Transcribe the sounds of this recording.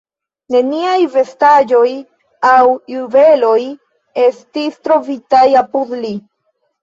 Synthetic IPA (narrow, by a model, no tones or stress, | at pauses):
ne̞niajve̞stad͡ʒo̞j | awjuve̞lo̞j | e̞stistɾo̞vitajapud̪li